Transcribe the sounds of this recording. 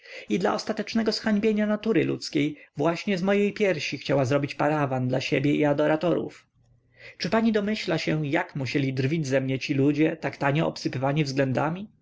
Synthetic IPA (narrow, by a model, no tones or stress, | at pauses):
id̪la̰ʔɔst̪at̪ɛt͡ʂnɛɡɔsxaɲbʲjeɲanat̪uɾɘlṵt̪skʲejvwaɕɲɛzmɔjejpʲjɛɾɕixt͡ɕawazɾɔbʲit͡ɕpaɾavand̪laɕebʲjɛiad̪ɔɾat̪ɔɾṵf | t͡ʂɘpaɲid̪ɔmɘɕlaɕɛjakmuɕɛlʲid̪rvʲid͡ʑzɛmɲɛt͡ɕilud͡ʑɛt̪akt̪aɲɛɔ̰psɘpɘvaɲivzɡlɛnd̪amʲi